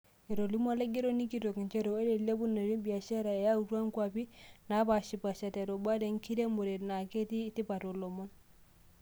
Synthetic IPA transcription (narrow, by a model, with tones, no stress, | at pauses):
e˨ɾo˨li˦ma˦le˦ɡe˦ɾo˦ni˦ki˨ɾo˨knt͡ʃe˦ɾo˨e˦ɾe˨le˦bu˦ne˨ɾi˦bi˨a˨ʃɛ˦ɾa˨e˨ja˦u˨ɾa˦ŋ˦kwa˦pi˦na˨˦pa˨ʃi˨pa˨ʃa˨te˨ɾo˨ba˦de˨ŋ˦ki˦ɾe˦mbo˨ɾe˨tna˨ke˦ti˦ti˦pa˨ɾo˨lɔ˨mɔ˦n